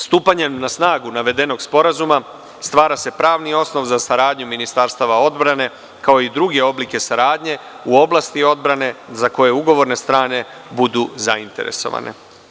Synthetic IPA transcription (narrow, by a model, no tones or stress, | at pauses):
st̪uːpaɲe̞mnasnaːɡunaʋe̞d̪e̞no̞ɡspo̞ɾazuma | st̪ʋaːɾase̞pɾaːʋnio̞sno̞ʋzasaɾaːd̪ɲuminist̪aɾst̪aʋao̞d̪bɾane̞ | kao̞id̪ɾuɡe̞o̞blike̞saɾaːd̪ɲe̞ | uo̞blˠast̪io̞d̪bɾane̞zako̞je̞uɡo̞ʋo̞ɾne̞st̪ɾaːne̞ | bud̪uzaint̪e̞̰ɾe̞̰so̞̰ʋa̰nʔe̞̰